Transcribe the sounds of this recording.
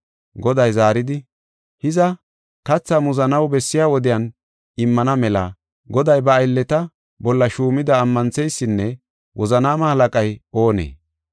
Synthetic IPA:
ɡɔd̪ɐjzaːɾɪd̪ɪ | hɪzɐ | kɐt͡sːɐmʊzɐnɐwbɛsːɪjaːwɔd̪ɪjɐn | ɪmːɐnɐmɛlɐ̰ | ɡɔd̪ɐjbɐːjlːɛt̪ɐ | bɔlːɐʃuːmɪd̪ɐːmːɐnt͡sɛjsːɪnːɛ | wʔɔzɐnaːmɐhɐlɐkʼɐjo̞ːnḛː

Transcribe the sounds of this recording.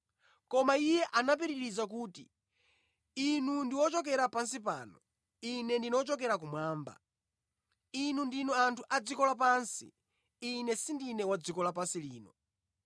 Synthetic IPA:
kɔmaijɛʔanap̬iɾiɾizak̬uːtḭ | inundiwɔt͡ʃɔk̬ɛɾapansip̬a̰ːnɔ | inɛndinɔt͡ʃɔkɛɾak̬umwaːmba̰ | inundinɔantʰuʔad͡zikɔlap̬ansḭː | nɛsindinɛwad͡zikɔlapansiliːnɔ

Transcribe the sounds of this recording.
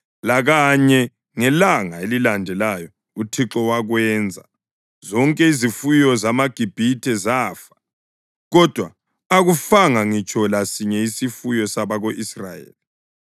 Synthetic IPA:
laɣaɲɛ | ŋɛlaŋaelilandʱɛlajɔ | utʰiǁɔwaɣwɛːnd͡zʱa̰ | zɔŋkʼɛizifujɔzamaɡ̥ʱib̥ʱitʰʼɛzaːfḁ | ɣɔd̥ʱwa | aɣufaŋaŋit͡ʃʼɔlasiɲɛisifujɔsaβaɣoʔisra̰jḛːli

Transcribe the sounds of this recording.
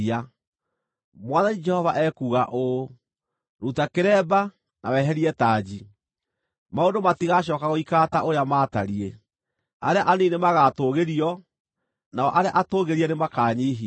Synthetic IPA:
a | mwaðanid͡ʒɛhɔvaʔɛkuːɣaʔo | ɾutakeɾɛba | nawɛːɦɛɾiɛtaːd͡ʒi | maondomatiɣaɕ̬ɔːkaɣoikataʔoɾeamaːta̰ɾie | aɾeaʔanenemaɣaːtoːɣeɾiɔ | naɔʔaɾeaʔatoːɣeɾiɛnemakaːɲeːɦi

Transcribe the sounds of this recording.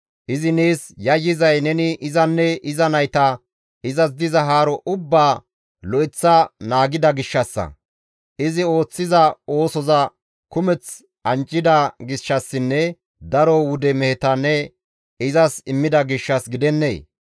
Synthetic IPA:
ʔɪzɪneːsjɐjːɪzɐjnɛnɪʔɪzɐnːɛɪzɐnɐjt̪ɐ | ɪzɐs̬d̪ɪzɐɦaːɾɔʔʊbːaː | lɔʔɪt͡sːɐnaːɡɪd̪ɐɡɪʃːɐsːɐ̰ | ʔɪzɪo̞ːt͡sːɪzɐo̞ːsɔzɐ | kʊmɛt͡s | ɐnt͡ʃʼːɪd̪ɐɡɪʃːɐsːɪnːɛ | d̪ɐɾɔwʊd̪ɛmɛhɛt̪ɐnːɛ | ɪzɐsɪmːɪd̪ɐɡɪʃːɐsɡɪd̪ɛnːḛː

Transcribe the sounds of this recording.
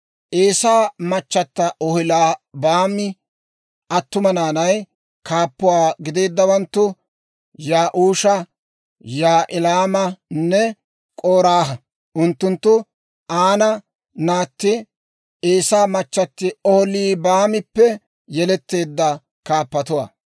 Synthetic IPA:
ʔeːsaːmɐt͡ʃːɐt̪ːɐʔɔhɪlaːbaːmɪ | ʔɐt̪ːʊmɐnaːnɐj | kaːpːʊwaːɡɪd̪e̞ːd̪ːɐwɐnt̪ːʊ | jaːʔuːʃɐ | jaːʔɪlaːmɐnːɛ | kʼoːɾaːɦɐ | ʔʊnt̪ːʊnt̪ːʊ | aːnɐ | naːt̪ːɪ | eːsaːmɐt͡ʃːɐt̪ːɪɔhɔliːbaːmɪpːɛ | jɛlɛt̪ːe̞ːd̪ːɐ | kaːpːɐt̪ʊwa̰ː

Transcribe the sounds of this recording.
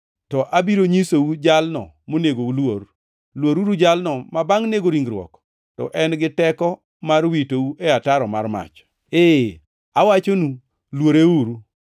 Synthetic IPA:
tɔʔabiɾoɲisoud͡ʒalnɔ̰ | moneɡoulwor | lwoɾuɾud͡ʒalnɔmabaŋneɡoɾiŋɡɾwɔ̰k | tɔ̰ʔɛnɡɪtɛkɔ | marwitouʔeataɾɔmarma̰t͡ʃ | e | awat͡ʃonu | lwoɾeuɾu

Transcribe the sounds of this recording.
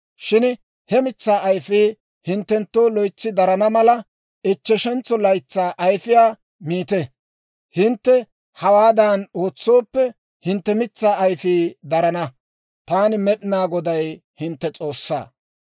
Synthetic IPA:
ʃɪn | hɛmɪt͡sːaːɐjfiː | hɪnt̪ːɛnt̪ːo̞ːlɔjt͡sːɪd̪ɐɾɐnɐmɐlɐ | ɪt͡ʃːɛʃɛnt͡sːɔlɐjt͡sːaːʔɐjfɪjaː | miːt̪ɛ | hɪnt̪ːɛ | hɐwaːd̪aːno̞ːt͡sːo̞ːpːɛ | hɪnt̪ːɛmɪt͡sːaːɐjfiːd̪ɐɾɐnɐ | t̪aːnɪmɛɗɪnaːɡɔd̪ɐjhɪnt̪ːɛt͡sʼo̞ːsːa̰ː

